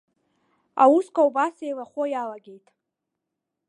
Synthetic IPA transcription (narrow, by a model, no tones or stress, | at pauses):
a̰wuskʷʰʼawbasejlaχʷojalaɡʲe̞jtʼ